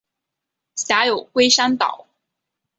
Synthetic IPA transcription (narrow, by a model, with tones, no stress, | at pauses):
ɕja˧˥jo˨˩ʊkwe˥ɪʂa˥nt̪ɑ̰˨˩˦ʊ